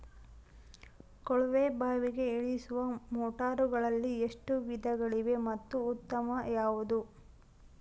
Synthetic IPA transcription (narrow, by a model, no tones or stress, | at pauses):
kɔɭʋeːbaːʋiɡe̞eɭisuʋɐmɔːʈaːɾuɡɐɭɐlːieʂʈuʋid̪ʱɐɡɐɭiʋe̞mɐt̪ːuːt̪ːɐmɐjaːʋud̪u